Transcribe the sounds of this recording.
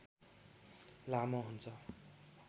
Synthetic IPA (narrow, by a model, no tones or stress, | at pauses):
lamʌɦunt͡sʰʌ